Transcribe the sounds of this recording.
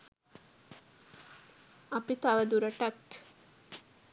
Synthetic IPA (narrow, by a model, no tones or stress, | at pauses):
apit̪aʋəd̪uɾəʈaʈ